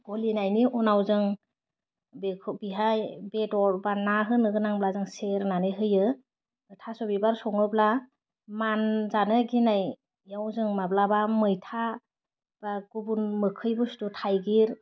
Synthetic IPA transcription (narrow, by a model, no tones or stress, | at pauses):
ɡ̥ɔlinajniʔɔnawzɯŋ | bekʰbiɦajbetɔɾbanaɦɯnɯɡɯnaŋblazɯŋseɾnanɯɦɯjɯ | ɯtʰasɔbibaɾsɔŋɯbla | manzanɯɡinaj | jawzɯŋmablabamɯjtʰa | b̥aɡubunmɯkʰɯjbɯstutʰajɡiɾ